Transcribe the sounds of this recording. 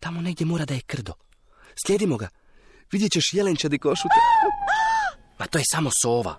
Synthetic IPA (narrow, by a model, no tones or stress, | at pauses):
t̪amo̞ne̞ɡ̚d̪ʲje̞moːɾad̪aje̞kr̩d̪o | slʲje̞d̪imo̞ɡa | ʋid̪jet͡ɕeʃjelent͡ɕed̪ikoʃut̪e | mat̪oːje̞samo̞so̞ːʋa̰